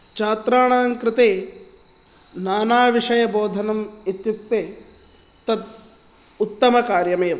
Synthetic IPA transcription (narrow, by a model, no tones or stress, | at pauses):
t͡ʃaːt̪ɾaːɳaːŋkɾɪt̪eː | naːnaːʋiʂɐjɐboːd̪ʱɐnɐmit̪juk̚t̪eː | t̪ɐt̪ | ut̪ːɐmɐkaːɾjɐmeːʋ